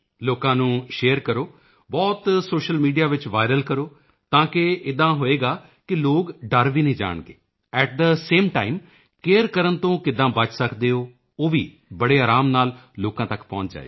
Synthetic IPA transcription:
loːkãːnũːʃeːəɾkəɾoː | bɔːt̪soːʃəlmiːɖijaːʋɪt͡ʃʋaːɪɾəlkəɾoː | t̪ãːkɪɪd̪ãːɦoːeːɡaː | kɪloːɡɖəɾʋiːnəĩːd͡ʒa̰ːɳɡḛː | ɛːʈ̚d̪əseːmʈaːɪm | keːəɾkəɾənt̪õːkɪd̪ãːbət͡ʃsəkd̪eːoː | oːʋḭː | bəɽeːaːɾaːmnaːlloːkãːt̪əkpɔ̰̃ːɲt͡ʃd͡ʒa̰ːḛː

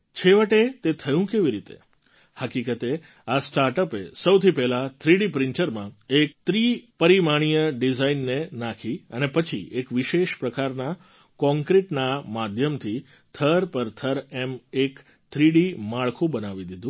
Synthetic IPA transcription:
t͡ʃʰeʋəʈet̪et̪ʰəjũkeʋiɾit̪ḛ | həkikət̪e | asʈaɾʈəpesəwt̪ʰipɛɦlat̪ʰɾiɖipɾɪɳʈəɾmãek̚t̪ɾipəɾimaɽ̃ijəɖizainːenakʰiə̰nepət͡ʃʰḭekʋiʃeʃpɾəkaɾna | kɔ̃ŋkɾiʈnamad̪ʱjəmt̪ʰi | t̪ʰəɾpəɾt̪ʰəɾemek | t̪ʰɾiɽimaɭkʰũbənaʋid̪id̪ũ

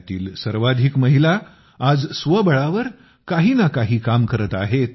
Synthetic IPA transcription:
t̪iːlsəɾʋad̪ʱikməɦila | ad͡zsʋəbəɭaʋəɾ | kaɦiːnakaɦiːkamkəɾət̪aɦet̪

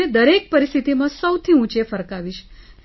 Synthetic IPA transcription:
ed̪əɾek̚pəɾist̪ʰit̪imãsəwt̪ʰiũt͡ʃefəɾkaʋiʃ

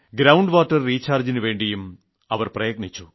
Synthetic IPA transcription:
ɡɾɐwɳɖʋaːʈːɐrːiːt͡ɕːaːrd͡ʑinɨʋe̞ːɳɖijum | ɐʋɐrprɐjɐɡɳit͡ɕːu

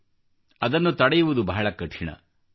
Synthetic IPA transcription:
ɐd̪ɐnːut̪ɐɽɐjuʋud̪ubɐɦɐɭɐkɐʈʂiɳɐ̰

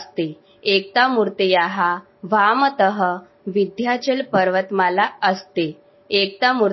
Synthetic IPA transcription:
st̪e | ek̚t̪amuɾt̪ejaɦa | ʋamət̪əɦə | ʋid̪ʱjat͡ɕelpəɾʋət̪malaəst̪eː | k̚t̪amuɾ

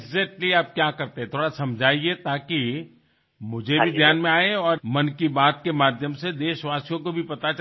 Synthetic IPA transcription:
ɡzɛːk̚ʈliaːp̚kjaːkɐɾt̪ẽɦɛ̃t̪ʰoːɽasɐ̃md͡ʒʱaːiet̪aːki | mʊd͡ʒʱebʱid̪ʱjaːnmẽaːeɔːɾmɐnkibaːt̪kemaːd̪ʱjəmsed̪eːʃʋaːsijõkobʱipɐt̪at͡ʃ

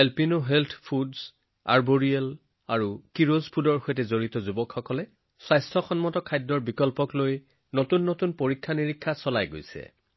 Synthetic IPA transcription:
elpinʊɦeltʰpʰudz | a̰ɹboɹiɛl | aɹukiɹozpʰudɔɹxojtɛzoɹitɔzubɔkʰxɔkɔlɛ | sajstʰɔxɔnmɔtɔkʰajdːɔɹbikɔlpɔkloj | notunːotunpoɹikʰːaniɹikʰːasɔlajɡo̰jsɛ̰

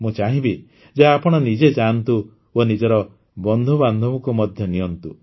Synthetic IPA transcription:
mũt͡ʃaɦĩbi | d͡ʒeapɔɽ̃ɔnid͡ʒet͡ʃaːnt̪u | onid͡ʒɔɾɔ | bɔnd̪ʱuband̪ʱɔmɔkumɔd̪ʱjɔnijɔnt̪u

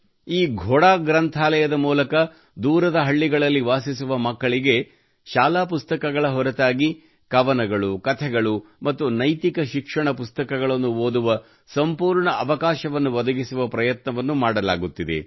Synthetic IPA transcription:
iːɡʱɔɽaːɡɾɐnt̪ʰaːlɐjɐd̪ɐmuːlɐkɐ | d̪uːɾɐd̪ɐɦɐɭːiɡɐɭɐlːiʋaːsisuʋɐmɐkːɐɭiɡe̞ | ʃaːlaːpust̪ɐkɐɡɐɭɐɦɔɾɐt̪aːɡi | kɐʋɐnɐɡɐɭukɐt̪ʰɛɡɐɭumɐt̪ːunɐjt̪ikɐʃikʂɐɳɐpust̪ɐkɐɡɐɭɐnːuoːd̪uʋɐ | sɐmpuːɾɳɐʔɐʋɐkaːʃɐʋɐnːuʋɐd̪ɐɡisuʋɐpɾɐjɐt̪nɐʋɐnːumaːɽɐla̰ːɡut̪ːid̪e̞̰

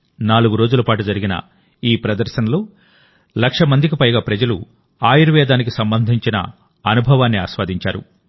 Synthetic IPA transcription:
naːluɡuɾoːd͡ʒulɐpaːʈud͡ʒɐɾiɡinɐ̰ | iːpɾɐd̪ɐɾʃɐnɐloː | lɐkʂɐmɐnd̪ik̬ipɐjɡaːpɾɐd͡ʒɐlṵ | aːjiɾuʋɛːd̪aːnik̬isɐmbɐnd̪ʱiɲt͡ʃinɐ̰ | ɐnubʱɐʋaːnːia̰ːʃʋaːd̪ʱiɲt͡ʃa̰ːɾṵ

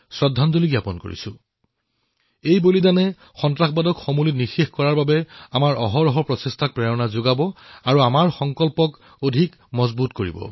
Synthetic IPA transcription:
sɹɔdʱːanzoliɡjapɔnko̰ɹḭsʊ̃ | ejbolizanɛ | xɔntɹaxbadɔkxomulitnixexkɔɹaɹbabɛamaɹʔɔɦɔɹɔɦɔpɹɔsestʰak̚pɹɛɹɔnazoɡabɔaɹuamaɹxɔŋkɔlpɔk | odʱik | mɔzbutkoɹḭbɔ̰

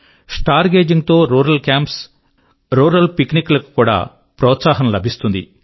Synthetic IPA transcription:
sʈaːɾɡe̞ːd͡ʒiŋɡt̪oːɾuːɾɐlkaːmps | ɾuːɾɐlpikniklɐku̥kuːɽa̰ː | pɾɔːt̪saːɦɐmlɐbʱist̪und̪ḭ

